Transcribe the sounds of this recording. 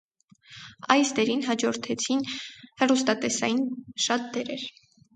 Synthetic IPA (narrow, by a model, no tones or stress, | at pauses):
ɑjsd̪ɛɾinɦɑd͡ʒɔɾt̪ʰɛt͡sʰinhɛrust̪ɑt̪ɛsɑjinʃɑt̪̚d̪ɛɾɛɾ